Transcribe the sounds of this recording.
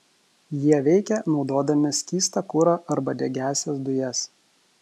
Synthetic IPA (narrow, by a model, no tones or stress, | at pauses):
jiɛʋʲɛɪkʲɛnɒʊd̪oːd̪ɐmʲɪsʲkʲiːst̪ɐkʊɾɑʔɐɾbɐd̪ʲɛɡʲæːsʲɛsd̪ʊjɛs